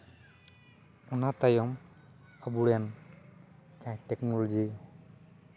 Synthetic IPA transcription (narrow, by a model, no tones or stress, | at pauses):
ɔnat̪ajɔm | abuɽjan | t͡ʃajt̪ɛknɔlɔd͡ʒi